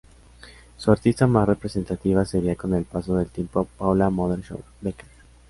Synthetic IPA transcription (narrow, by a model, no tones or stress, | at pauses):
suaɾt̪ist̪amasre̞pɾe̞se̞nt̪at̪iβ̞ase̞ɾiako̞ne̞lpaso̞ðe̞lt̪je̞mpo̞pawlamoðeɾʃo̰ | beka